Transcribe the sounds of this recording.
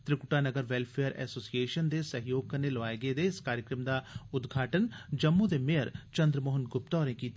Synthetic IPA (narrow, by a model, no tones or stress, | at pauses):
t̪ɾɪkʊʈaːnəɡəɾʋɛːlpʰeːəɾɛ̰ːsoːsieːʃənd̪eːsəɦɪjoːɡ̚kəneːləʋaːeɡeːd̪eːɪskaːɾjəkɾəmd̪aːʊd̪ɡʱaːʈənd͡ʒəmːũd̪eːmejəɾt͡ʃənd̪ɾəmoːɦənɡʊp̚t̪ɔːɾẽːkiːt̪